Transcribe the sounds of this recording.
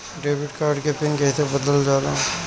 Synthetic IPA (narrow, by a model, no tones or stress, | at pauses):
ɖeːbɪʈkaːɾɖkepɪnkɛɦit̪ebəd̪əld͡ʒaːlã